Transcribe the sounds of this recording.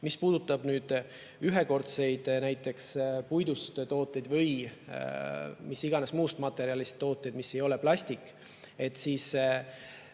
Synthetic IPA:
mispuːd̪̥ut̪ːˑɑb̥nyːd̪̥ | yɦe̞ko̞rt̪se̞jd̪̥næjt̪ːˑe̞kspujd̪ust̪t̪o̞ːt̪ːˑe̞jd̪vɤj | misiɡ̥ɑne̞smuːst̪mɑt̪ːˑe̞ɾiɑlist̪ːo̞ːt̪ːˑejd̪̥misːe̞jo̞leplɑsʲt̪ikːˑ | e̞t̪ːˑsiːs

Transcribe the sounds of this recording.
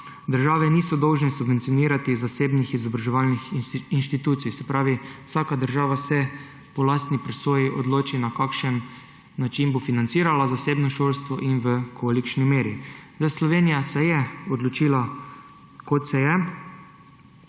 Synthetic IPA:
d̪əɾʒaːʋɛniːsɔd̪ɔwʒnɛsubʋeɛnt̪sijɔniːɾat̪izaseːbnixizɔbɾaʒɛʋalnixinʃt̪it̪uːt̪sijsɛpɾaːʋiwsaːkad̪əɾʒaːʋasɛ | pɔlaːst̪nipɾɛsoːjiʔɔd̪loːt͡ʃinakakʃənː | at͡ʃinbofinant̪siːɾalazaseːbnɔʃolst̪ʋɔʔinʋəkoalikt͡ʃnimeːɾizaslɔʋeːnijasɛjɛɔd̪lɔt͡ʃiːla | kot̪sɛjɛ

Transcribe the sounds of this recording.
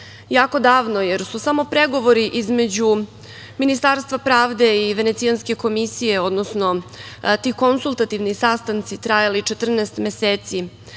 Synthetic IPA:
jaːko̞d̪aːʋno̞je̞ɾsusamo̞pɾe̞ɡo̞ʋo̞ɾiʔizme̞d͡ʑu | minist̪aːɾst̪vʋapɾaːʋd̪eiʋe̞ne̞t̪sijanske̞ko̞misije̞o̞d̪nosno̞t̪iːko̞nsulˠt̪at̪iʋnisast̪ant̪sit̪ɾajalit͡ʃet̪r̩nɛːst̪meseːt̪si

